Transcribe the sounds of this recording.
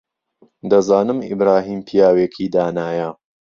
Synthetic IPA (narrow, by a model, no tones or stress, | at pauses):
d̪ɐzaːnɨmḭbɾaːɦiːmpʰijaːweːkʰiːd̪aːnaːjɐ